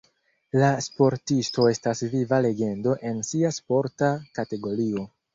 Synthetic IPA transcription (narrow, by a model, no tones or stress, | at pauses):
laspo̞ɾtisto̞e̞stasvivale̞ɡe̞ndo̞ʔe̞nsiaspo̞ɾtakate̞ɡo̞ɾio̞